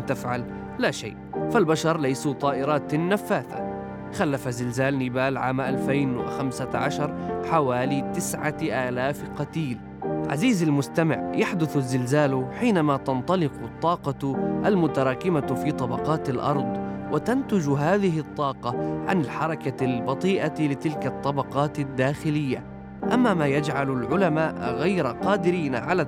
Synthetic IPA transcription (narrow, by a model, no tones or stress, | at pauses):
t̪afʕal | laːʃa̰jʔfalbaʃɑɾˤlajsut̪ˤɑːʔɪɾˤɑːt̪nːafːaːθa̰ | xalːafazɪlzaːlnɪbaːlʕa̰ːmʔalfajnwɪ̰xamsaʕa̰ʃɑɾˤħawaːlit̪ɪsʕaʔaːlaːfqɑt̪iːl | ʕa̰ziːzalmʊst̪amɪ̰ʕjaħd̪ʊθzːɪlzaːlħiːnamat̪ɑnt̪ˤɑlɪqt̪ˤːɑːqɑʔalmʊt̪aɾˤɑːkɪmafiːt̪ˤɑbɑqɑːt̪alʔɑ̰ɾˤd̪ˤwat̪ant̪ʊd͡ʒɦaːðɪɦɪt̪ˤːɑːqɑʕa̰nɪlħɑɾˤɑkalbɑt̪ˤiːʔalɪt̪ɪlkat̪ˤːɑbɑqɑːt̪ad̪ːaːxɪlɪjːa̰ | ʔamːamaːjad͡ʒʕalalʕʊlamaːʔɣajɾaqɑːd̪ɪɾiːnaʕala